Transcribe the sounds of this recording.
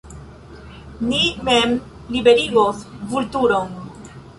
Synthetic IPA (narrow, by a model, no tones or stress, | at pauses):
nimem | libeɾiɡosvultuɾon